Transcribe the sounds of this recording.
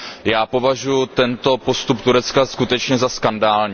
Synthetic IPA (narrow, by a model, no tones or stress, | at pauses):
jaːpo̞vaʒujut̪ɛnt̪o̞po̞st̪upt̪uɾɛt͡skaskut̪ɛt͡ʃɲɛzaskandaːlɲi